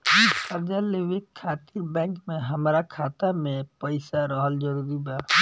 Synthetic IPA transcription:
ikəɾd͡ʒaleʋɪt̪kʰːaːt̪iɾbɛ̃ːŋkmẽɦəmɾakʰaːt̪amẽpəɪsaɾɔɦəld͡ʒəɾuːɾibaː

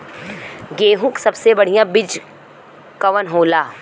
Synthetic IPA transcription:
ɡeːɦʊ̃ksɐbsebɐɽ̤ijãbɪd͡ʒ | kɐʋənɦoːlaː

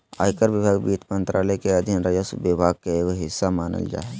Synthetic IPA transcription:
a̰ːjkəɾʋɪbʱaːɡbiːt̪mə̃nt̪ɾaːləkeɐd̪ʱɪnɾɐd͡ʒəsʋɪbʱaːɡ̚kekɦɪsːamaːnə̰ld͡ʒa̰ːe

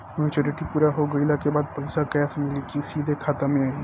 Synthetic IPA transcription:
mjuːt͡ʃoɾiʈipuːɾaɦoɡəɪlakebaːd̪̚pəjsakɛːsmɪlikisiːd̪ʱekʰaːt̪amẽai

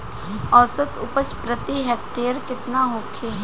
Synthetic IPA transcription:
ɔːsət̪ʊpət͡ʃpɾət̪iɦɛːk̚ʈeːəɾkɪt̪naɦoːkʰe

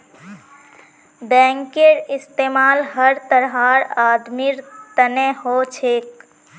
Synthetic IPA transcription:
bɛ̃ːŋkeɾɪst̪eːmaːlɦəɾt̪əɾɦaɾaːd̪miɾt̪əneɦot͡ʃʰek

